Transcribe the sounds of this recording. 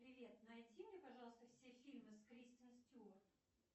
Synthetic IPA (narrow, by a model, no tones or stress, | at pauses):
pɾʲɪvʲe̞t̪nɐjdʲimʲnʲepɐʐɑlˠəst̪əfsʲefʲilʲmɨskɾʲist̪ʲənstʲu